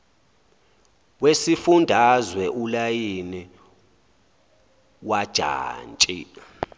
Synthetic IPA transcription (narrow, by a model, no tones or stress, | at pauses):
wesifundʱazwɛʔulajini | wad̥ʒ̥ʱa̰ːnt͡ʃʼi